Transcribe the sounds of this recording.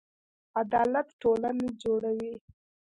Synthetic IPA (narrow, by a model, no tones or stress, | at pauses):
ad̪ɑlat̪ʈolaned͡ʒoɽawi